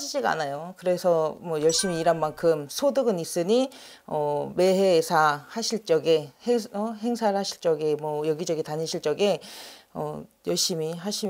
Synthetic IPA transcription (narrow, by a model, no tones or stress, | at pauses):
id͡ʑiɡaa̰najokɯɾe̞sʰʌmwʌjʌɭɕ͈imiːɾanmankʰɯmsʰodɯɡɯnis͈ɯɲi | ʌme̞ɦeːsʰahaɕʰiɭt͡ɕ͈ʌɡeheʌɦe̞ŋsʰaɭhaɕʰiɭt͡ɕ͈ʌɡe̞mwʌjʌɡid͡ʑʌɡetaɲiɕʰiɭt͡ɕ͈ʌɡe̞ʌ̰jʌɭɕ͈imiɦaɕʰi